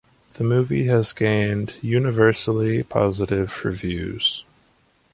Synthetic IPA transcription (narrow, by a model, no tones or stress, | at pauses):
ðəmʉviɨzɡẽɪ̃ndjʉnɨvɜ˞sl̩ˠipʰɑ̰zəɾɪv̥ɹɨvjʉ̰z̥